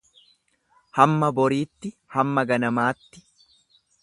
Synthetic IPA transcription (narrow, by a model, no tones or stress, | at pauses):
hɐmːɐbɔɾiːt̪ːɪhɐmːɐɡɐnɐmaːt̪ːɪ̥